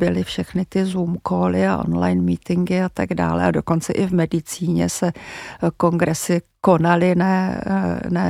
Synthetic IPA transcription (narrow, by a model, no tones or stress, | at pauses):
bɪlɪfʃɛxnɪt̪ɪzuːmkoːlɪaʔo̞̰nlajnmiːt̪ɪŋɡɪat̪aɡda̰ːlɛ̰a̰do̞ko̞nt͡sɛʔɪvmɛdɪt͡siːɲɛ̰sɛko̞ŋɡɾɛsɪko̞nalɪnɛ | nɛ